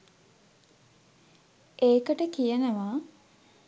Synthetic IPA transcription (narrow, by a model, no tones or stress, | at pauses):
eːkəʈəkijənəʋa